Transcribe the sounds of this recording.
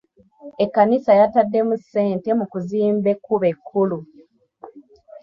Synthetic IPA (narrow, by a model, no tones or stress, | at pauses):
ekːanisajatadːe̞musːe̞ːnte̞mukuziːmbe̞kːuβe̞kʰːulu